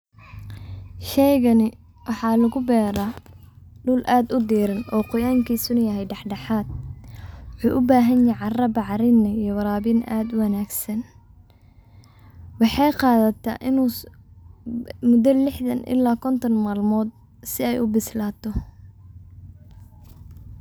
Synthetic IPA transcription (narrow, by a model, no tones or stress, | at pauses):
ʃɛjɣɐnɪ | wɑħɑːlɐɣʊbɛːɾaː | ɖʊlʔaːd̪ʊd̪iːɾɐnɔːqʊjaːŋkʰiːsʊnɐjɐɦɛjɖɑħɖɑħaːd̪̚ | wʊħuːʔʊbaːɦɐnjɛʕɑrɐbɑʕɾɪnɐijɔwɑɾaːbɪnʔaːd̪ʊwɑnaːɡsɐn | wɑħɑjqɑːðɐt̪ʰɐ̰ʔɪnuː | mʊd̪ɐlɪħðɐnʔɪ̰lːaːkʰɔnt̪ʰɔnmaːlmɔːd̪̚ | sɪɛjʊbɪslaːt̪ʰɔ